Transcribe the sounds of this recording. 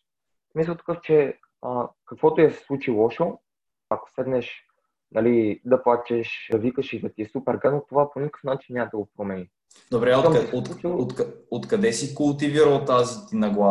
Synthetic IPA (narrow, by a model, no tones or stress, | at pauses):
smis̬əlˠt̪ə̥kɤft͡ʃɛ | əkɐkvɔt̪ojɐsɛ̥slˠut͡ʃilˠɔʃo | ako̥sɛd̪nɛʃ | nɐlid̪ɐplˠat͡ʃɛʃvikəʃid̪ɐt̪iɛsupɛɾɡanot̪ovaponikə̥fnat͡ʃinːaməd̪ɐɡopɾomɛni | d̪obɾɛomoot̪kot̪kɐd̪ɛsikʊlˠt̪iviɾəlˠt̪azit̪inɐɡlˠa